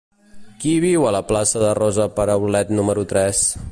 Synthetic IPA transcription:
kiβ̞iwələplasəðərɔzəpəɾəβulɛt̪numəɾut̪ɾɛs

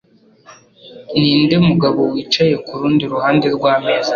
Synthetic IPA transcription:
niːnde̞muɡaβo̞wiːt͡ʃaje̞kuɾuːndiɾuɦaːnde̞ɾɡwaːmeza

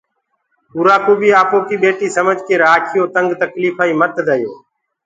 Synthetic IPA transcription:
uːɾaːkoːɓiːaːpoːkiːɓeːʈiːsəməd͡ʒkeːɾaːkʰɪjoːt̪əŋɡt̪əkliːfʰaːiːmət̪d̪əːjoː

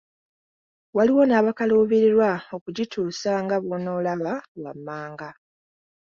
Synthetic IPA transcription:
waliwo̞naːβakaloːβiɾiɾwao̞kuɟituːsaŋɡaβono̞ːlaβawa̰mːaːŋɡa

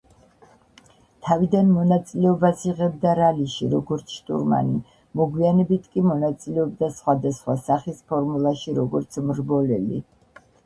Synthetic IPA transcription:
t̪ʰavid̪anmɔnat̪sʼilɛɔbasiʁɛb̚d̪aɾaliʃiɾɔɡɔɾt̪sʰʃt̪ʼṵɾma̰ni | mɔɡwianɛbit̪ʰkʼimɔnat̪sʼilɛɔb̚d̪asχwad̪asχwasaχispʰɔɾmulˠaʃiɾɔɡɔɾt̪sʰmɾbɔlɛlḭ

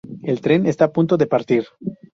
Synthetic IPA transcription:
e̞lt̪ɾe̞ne̞st̪aːpunt̪o̞ðepaɾt̪iɾ

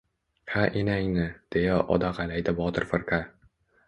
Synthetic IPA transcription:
hʰaʔenaŋnɪd̪̥e̞jaʔɒ̰d̪aqalajd̪ɪbɒt̪ʰɨɾfɨɾka

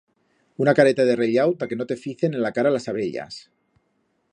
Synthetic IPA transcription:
unakaɾet̪aðereʎawt̪ake̞no̞t̪e̞fiθe̞ne̞nlakaɾalasaβeʎa̰s

